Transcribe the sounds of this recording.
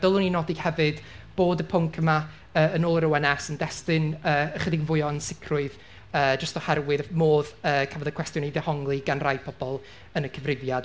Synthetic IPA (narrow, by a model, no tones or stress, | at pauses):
d̥olˠʊninɔdihɛvɨdb̥oːdəpʰʊŋkʰəma | əːənoːlˠəɾəwɛnɛsəndɛstɪnəːəχədiɡənvʊɨɔənsɪkʰrʊɨð | ə̥ːd͡ʒəstɔhɛrwɨðmoːðəːkʰavɔðəkʰw̥ɛstjɔniðɛhɔŋlˠiɡanrajpʰɔb̥ɔlˠ | ənəkʰəvrɪvjad